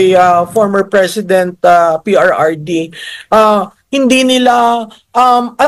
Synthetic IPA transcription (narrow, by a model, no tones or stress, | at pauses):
jafoɹmɛɹpɹɛsɪd̪ɛnt̪̚apiʔaɹʔaɹd̪iʔa | hɪnd̪inɪla | ʔɐmʔɐ